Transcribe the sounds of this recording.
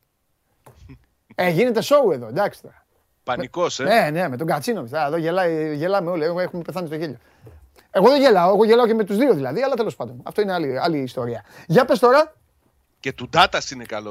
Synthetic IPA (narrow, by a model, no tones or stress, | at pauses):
eʝine̞t̪e̞so̞ue̞ðo̞nd̪ɐksi̥t̪o̞ɾɐ | pɐmniko̞senene̞met̪o̞ɡɐt͡sinomist̪ɐeðoʝelɐʝelɐmeo̞lieexumepeθɐnist̪o̞çeʎo̞ | e̞ɣo̞ðeʝe̞lɐoe̞ɣo̞ʝe̞lɐo̞ce̞me̞t̪uzðio̞ðilɐðiɐlɐt̪elo̞spɐnd̪onɐ̰ft̪o̞ineɐliɐliːst̪o̞ɾiɐʝɐpe̞st̪o̞ɾɐ | cet̪ud̪ɐt̪ɐsinekɐlo